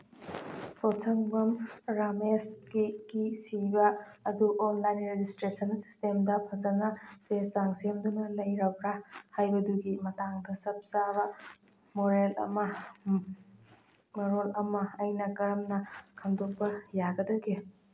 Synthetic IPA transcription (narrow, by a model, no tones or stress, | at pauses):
pʰosʰɐŋbɐmɾamesɡiɡisibɐː | duʔonlajnɾed͡ʒistɾesɐnsi̥stemdɐpʰɐzɐnɐseszaŋsemdunɐlɐjɾɐbɾahajbɐduɡimɐtaŋdɐsɐp̚saβɐ | moɾelɐ̰mɐ | mɐɾolɐmɐɐjnɐkɐɾɐmnɐkʰɐmdok̚pɐjaɡɐdɐɡi